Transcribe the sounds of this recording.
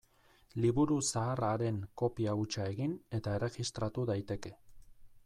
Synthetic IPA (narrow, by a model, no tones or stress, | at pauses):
liβuɾusaːraɾe̞ŋko̞piaut͡ʃae̞ɣine̞t̪ae̞re̞ɣist̪ɾat̪uðajt̪e̞ke̞